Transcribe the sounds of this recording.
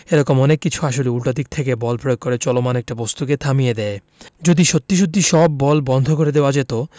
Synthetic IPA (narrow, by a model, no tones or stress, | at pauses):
eɾɔkomɔnekːit͡ɕʰuaʃ̬oleulʈad̪ik̚t̪ʰekebɔlpɾojokkːoɾet͡ɕɔlomanɛk̚ʈabɔst̪uket̪ʰamijed̪ɛe | d͡ʑod̪iʃot̪ːiʃ̬ot̪ːiʃɔbːɔlbɔnd̪ʱokoɾed̪eoad͡ʑet̪o